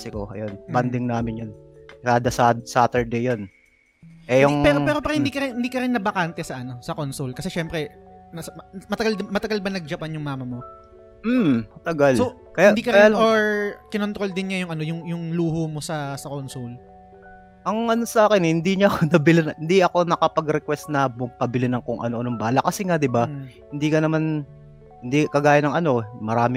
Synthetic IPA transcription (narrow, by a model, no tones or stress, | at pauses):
sɪkoɐ̰jonband̪ɪŋnaːmɪnjon | kad̪ɐsad̪saːt̪ɛɹd̪ejon | ʔɛjʊŋpɛːɾopɛːɾopɐɾahɪnd̪iːkɐɾɪnhɪnd̪iːkɐɾɪnːɐbɐkant̪ɛsɐʔɐno̞sɐkonsolkɐsɛʃɛmpɾɛmɐsmɐt̪ɐɡalmɐt̪ɐɡalbɐnɐɡ̚d͡ʒɐpɐnjʊŋmaːmɐmo | m̩mɐt̪ɐɡalso | kɐjhad̪iːkɐɾɐjɪaoɹkɪnont̪ɾo̞ld̪ɪnɲɐjʊŋɐnojʊŋjʊŋluːhomo̞sɐsɐkonsul | ʔɐŋʔɐnosɐʔaːkɪnhɪnd̪iɲɐʔɐkonɐbɪlɪnhɪnd̪iɐko̞nɐkɐpɐɡɾɛkwɛst̪̚nɐbʊŋpɐbɪlɪnɐŋkoŋʔɐ̰no̞ʔɐnombaːlɐkɐsɛŋad̪ɪbahɪnd̪iːkɐnɐman | hɪnd̪ikɐɡaːjɐnɐŋʔɐno̞mɐɾaːmɪ